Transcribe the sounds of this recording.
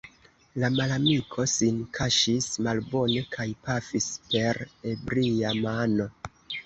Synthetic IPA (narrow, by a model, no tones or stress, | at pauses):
lamalamikʰo̞sinkʰaʃismalbo̞ne̞kʰajpafispe̞ɾe̞bɾiamano̞